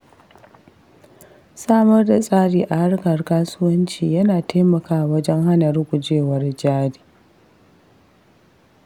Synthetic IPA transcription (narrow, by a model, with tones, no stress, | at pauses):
saː˦mɐ˦rda˨sʼaː˦ɽiː˨ʔa˨ha˦rkɐ˨rkaː˦sʊ˦wɐ˦nt͡ʃḭː˨jɐ˦naː˨tʰaː˦mɐ˨kaː˦˨wɐ˦d͡ʒɛ˦ŋha˦nɐ˨rɡʷʊ˨d͡ʒeː˦wɐ˦rd͡ʒaː˦ɽiː˨